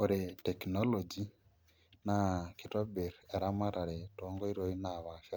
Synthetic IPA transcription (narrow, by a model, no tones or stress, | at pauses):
oɾetekinolod͡ʒi | nakitobeɾeɾamaɾaɾetoːŋɡoiɾoinaβafa